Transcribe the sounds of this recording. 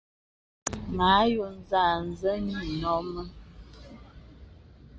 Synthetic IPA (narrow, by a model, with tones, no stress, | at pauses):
ma˨˦jo˨n˦za˨n̩˨zə˦ni˦˨nɔ˦mə˦